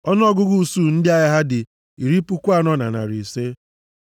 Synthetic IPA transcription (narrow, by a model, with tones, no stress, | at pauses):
ɔ˦n˦ɔ˦ɡʊ˦ɡu˦˨su˦˨n̩˦dɪ˦a˨ja˦ɦa˦dɪ˨ | i˨ɾi˦pu˦kʷa˦nɔ˦na̰˨na̰˨ɾi˨se˦